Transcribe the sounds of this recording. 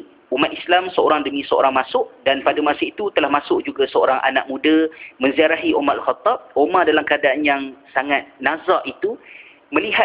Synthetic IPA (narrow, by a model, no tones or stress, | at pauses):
umat̪̚islamsəoɾaŋdəmĩsəo̰ɾaŋmasʊʔdanpadamasait̪ut̪əlahmasʊʔd͡ʒuɡasəo̰ɾaŋʔa̰naʔ̚mũdamə̃nziaɾaɦiʔomaɾalxɑt̪ːɑb̚omadalamkəadaanjaŋsaŋat̪̚nazaʔit̪u | mə̃liɦa